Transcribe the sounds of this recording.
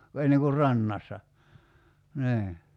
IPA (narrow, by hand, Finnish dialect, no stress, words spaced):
enːeŋ kur rɑnːɑsːɑ niː